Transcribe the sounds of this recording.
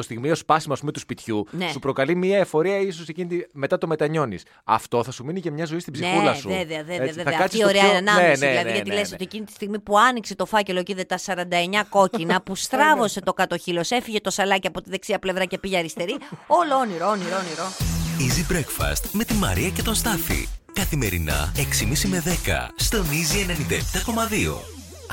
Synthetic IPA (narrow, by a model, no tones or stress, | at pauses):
t̪ost̪iɣmio̞spɐsimɐspumet̪uspit̪çunessupɾo̞kɐlimiɐefo̞ɾiɐis̬osecinit̪ime̞t̪ɐt̪o̞me̞t̪ɐɲo̞nḭs | ɐ̰ft̪o̞θɐsuminicɐmɲɐzo̞ist̪ibzieulɐsueveɐðeðeeɐeðɐkɐt̪siioɾenɐnɐmeeseilɐðiʝɐnilesot̪iecinit̪ist̪iɣmipuɐnikse̞t̪o̞fɐce̞lociðet̪ɐsɐɾɐnd̪ɐeɲɐko̞cinɐpust̪ɾɐvo̞se̞t̪o̞kɐt̪o̞çilo̞se̞fiʝe̞t̪o̞sɐlɐciɐpo̞t̪iðe̞ksiɐple̞vɾɐce̞piʝeɐɾist̪e̞ɾio̞looniɾooniɾooniɾoizibɾekfɐ̰st̪me̞t̪imɐ̰ɾiɐce̞t̪o̞nst̪ɐθḭkɐθime̞̰ɾḭnɐ̰eksimisime̞ðe̞kɐ̰st̪o̞nizienenĩnd̪ɐept̪ɐko̞mɐðio̞̰